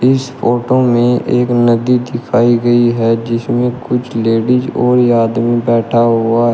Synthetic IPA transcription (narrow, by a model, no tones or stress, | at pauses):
ɪspʰoːʈomẽʔeːknəd̪id̪ɪkʰaːiɡəiɦɛd͡ʒɪsmẽkʊt͡ʃʰleːɖid͡ʒɔːɾjaːd̪mibɛːʈʰaɦʊaɦɛ